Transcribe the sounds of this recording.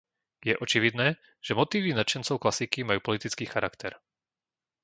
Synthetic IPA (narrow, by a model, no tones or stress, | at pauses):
jɛʔɔt͡ʃiʋid̪nɛː | ʒ̥ɛmɔt̪iːʋinat͡ʃɛnt͡sɔʊklasikimajuːpɔlit̪it͡skiːxaɾakt̪ɛɾ